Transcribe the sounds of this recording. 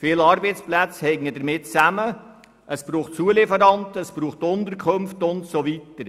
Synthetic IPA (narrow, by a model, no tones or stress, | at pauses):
fɪlɑɾbɛjt͡splæt͡shɛɪnədəɾmɪtt͡sæmə | ʔəspɾuːχtt͡suəlɪfəɾɑntəəspɾuːχtʊnt̪əɾkʰɵmftʊntsoʋitəɾ